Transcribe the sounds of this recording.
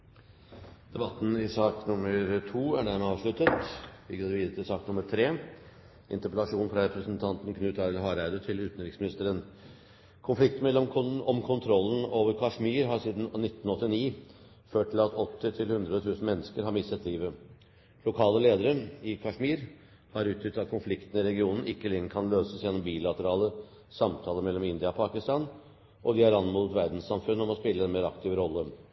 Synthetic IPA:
d̪̥ɛbɑt̪ːn̩ɪsɑːknʊmːəɾt̪ʰuːæɖæmɛɑːʋʂɭʉt̪ət̪ʋɪɡod̪əʋiːd̪ət̪ʰɪlsɑːknʊməɾt̪ʰɾeː | ʔɪ̰nt̪əɾpəlɑʂuːnfɾɑɾɛpʰɾəsnt̪ʰɑnt̪n̩kʰnʉːt̪ʰɑɛləɦɑːɾæɪd̪ət̪ʰɪlʉːt̪n̩ɾɪksmɪnɪst̪əɾən | kʰʊnflɪkt̪mɛlːɔɔmkʰʊnt̪ʰɾɔlːən̩oːʋəɾkʰɑʂmiːɾɦɑʂiːd̪n̩nɪt̪ːn̩ɔt̪ːɪniː | føːʈʰːɪlɑt̪ɔt̪ːɪt̪ʰɪlhʉnd̪ɾət̪ʰʉːsn̩mɛnːəskəɾhɑɾmɪsːət̪ʰliːʋə | lʊkʰɑːləleːd̪əɾəɪkʰɑʂmiːɾ | hɑɾʉːt̪ʰjʏt̪ɑt̪̚kʰʊnflɪkt̪n̩ɪɾɛɡɪuːnn̩ɪkːəlɛŋːəɾkʰɑnløːsəsjɛnːɔmbiːlɑt̪əɾɑːlə | sɑmt̪ʰɑːləmɛlːɔmɪnd̪ɪɑɔpʰɑːkɪst̪ɑːn | ʔɔd̪ɪæɾɑnmɔːlət̪ʋæɾd̪n̩ssɑmfʉnːəɔmɔspɪlːəɛnmeːɾɑ̰kt̪ʰɪːʋɾɔlːə

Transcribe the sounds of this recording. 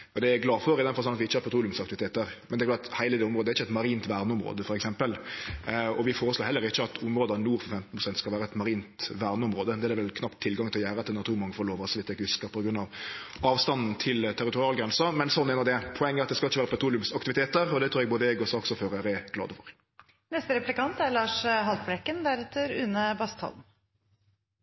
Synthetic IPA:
ɔd̪ɛɛɡlɑːfɔɾɪd̪ɛnfɑlsɔnɑt̪ʋɪɪçəhɑɾpʰɛt̪ʰɾuːlʉmsɑkt̪ɪʋɪt̪eːt̪əɾmɛnd̪ɛɾklɑt̪hæɪləd̪ɛːʊmɾoːd̪æɾɪçːəɛt̪mɑɾiːnt̪ʋæɾnəʊmɾo̰ːd̪əfɔɾɛksɛmpəl | ɔʋɪfoːɾəsloːɾɛlːəɾɪçːəɑt̪ʰʊmɾoːd̪əɑnuːɾfɔɾfɛmt̪n̩pʰʁʊsɛnt̪skɑʋæːɾəɛt̪mɑɾiːnt̪ʋæɾnəʊmɾoːd̪əd̪ɛæd̪ɛʋɛlkʰnɑpt̪ʰːɪlɡɑŋt̪ɪljæːɾəɑt̪ɪɛɑt̪ʰuːmɔŋfɔɾɔloːʋɔsʋɪt̪ːɛkʉskəpʰɔɡɾʉnːɑʋ | ɑːʋst̪ɑnn̩t̪ʰɪlt̪ʰæɾɪt̪ʊɾɪɑːlɡɾɛnsɑmɛnsɔnːɛnɑd̪ɛpʰɔɛŋːəɾɑt̪̚d̪ɛskɑlɪçəʋæːɾəpʰɛt̪ʰɾuːlɪʉmsɑk̚t̪ɪʋɪt̪eːt̪əɾɔd̪ɛt̪ʰɾuːɾɛɡboːd̪əɛɡɔsɔɔksɔføːɾəɾɛɡ̥lɑ̰ːd̪əfɔɾ | nɛst̪əɾɛplɪkɑnt̪æɾɭɑːʂɦɑlt̪̚blɛkənd̪æɾɛt̪ʰːəɾʉnəbɑst̪hɑ̰ln̩

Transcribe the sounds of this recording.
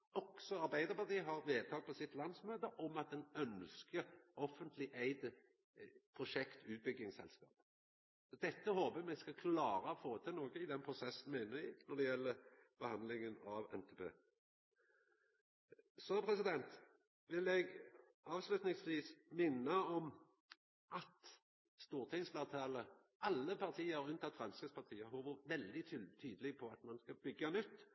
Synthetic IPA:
ɔksɔɑɾbæɪd̪əɾpɑt̪iːɦɑʁʋeːt̪ʰɑːɡ̚pʰɔsɪt̪lɑnd̪smøːd̪əʔɔmɑt̪̚d̪ɛnœnskəɔfənt̪ʰlɪʔæɪd̪ə | pʰʁʊʃɛkt̪ʰʉːt̪̚bʏɡːɪŋsɛ̰lskɑ̰ːp | d̪ɛt̪ːəhoːbəmɛɡskɑkʰlɑːɾəɔfoːt̪ʰɪnoːɡəɪd̪ɛnpʰʁʊsɛsːən̩mæɪnəɾɪnɔd̪ɛjɛlːəb̥əhɑnd̪lɪŋənɑʋɛ̰nt̪ʰeːpʰḛː | sɔpʰɾɛsɪd̪ɛnt̪ | ʋɪlɛɡ | ɑːʋslʉt̪nɪŋsʋiːsmɪnːəɔm | ʔɑt̪ | st̪uːʁt̪ʰɪŋslɑt̪ʰɑːlə | ʔɑlːəpʰɑʁt̪ʰiːəɾʉnt̪ʰɑt̪fʁɑnskəspʰɑʁt̪ʰiːəhoːbəʋɛld̪ɪt̪ʰːt̪ʰyːd̪əlɪɡpʰɔɑt̪mɑnskɑbʏɡːɑnʉt̪ː

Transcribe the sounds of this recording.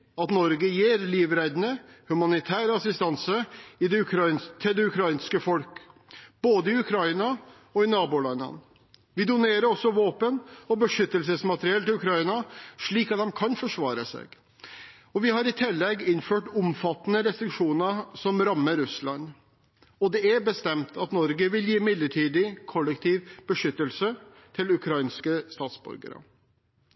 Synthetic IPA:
ɑt̪nɔɾɡəjeːɾliːʋɾæd̪nəhʉmɑnɪt̪ʰæːɾəɑsɪst̪ɑnsəɪd̪ɛʉkʰɾɑɪnt̪ʰɪld̪ɛʉkʰɾɑɪnskəfɔlkb̥oːd̪əɪʉkʰɾɑɪnɑ | ɔɪnɑːbʊlɑnɑ̰n | ʋɪd̪ʊneːɾəɾɔsːɔʋoːpənɔbəʂʏt̪ːəlsəsmɑt̪əɾɪɛlt̪ɪlʉkʰɾɑɪnɑʂɭiːkɑt̪hɑmkʰɑnfɔʂʋɑːɾəsɛ̰ːɡ | ɔʋɪhɑɾɪt̪ʰɪlːɛɡːɪnføːʈʊmfɑt̪ːənəɾɛst̪ɾɪkʂuːnəsɔmɾɑmːəɾʉslɑn | ɔd̪ɛæbəst̪ɛmt̪ʰɑt̪nɔɾɡəʋɪljiːmɪd̪lːəʈʰiːd̪ɪkʰɔlːəkt̪ʰiːʋb̥əʂʏt̪ːəlsə | t̪ʰɪlʉkʰɾɑɪnskəst̪ɑːt̪sbʉ̰ɾɡə̰ɾə̰

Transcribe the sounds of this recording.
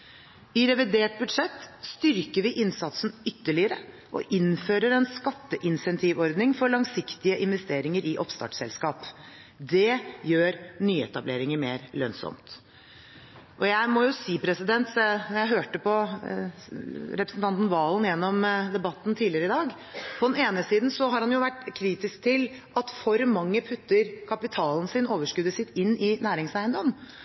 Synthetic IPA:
ɪɾɛʋɪd̪eːʈ̚bʉd̪ʂɛt̪ːst̪ʏɾkəɾʋɪʔɪnsɑt̪snʏt̪ːəɭɪəɾə | ʔɔ̰ʔɪnføːɾəɾɛnskɑt̪ːəʔɪnsɛnt̪ʰiːʋɔɾd̪nɪŋfɔɾɭɑŋsɪkt̪ɪəʔɪnʋɛst̪eːɾɪŋəɾɪʔɔpst̪ɑ̰ːʈsɛ̰lskɑːp | d̪ɛjøːɾnyːɛt̪ɑbleːɾɪŋəmeːɾlœnsɔ̰mt̪ | ʔɔjæɪmɔjʊsiːpʰɾɛsɪd̪ɛnt̪jæɪɦøːʈəpʰɔ | ɾɛpɾəsnt̪ʰɑnt̪n̩ʋɑːlnjɛnːɔmd̪ɛbɑt̪ːnt̪ʰiːlɪəɾəɪd̪ɑːɡ | pʰɔd̪ɛneːnəsiːd̪n̩sɔɦɑɾhɑnjʊʋæʈːkʰɾiːt̪ɪsk̚t̪ʰɪl | ʔɑt̪fɔɾmɑŋːəpʰʉt̪ːəɾkʰɑpɪt̪ʰɑːln̩sɪnoːʋəʂkʉd̪əsɪt̪ːɪnːɪnæːɾɪŋsæɪənd̪ɔm

